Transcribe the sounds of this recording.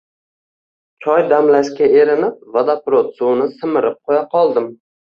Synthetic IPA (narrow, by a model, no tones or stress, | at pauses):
t͡ʃʰɒjd̪amlaʃkʲae̞ɾɪnɪp̚vad̪apɾot̪suwnɪsɪmɪɾɪp̚qʰojaqʰɒlˠd̪ɪm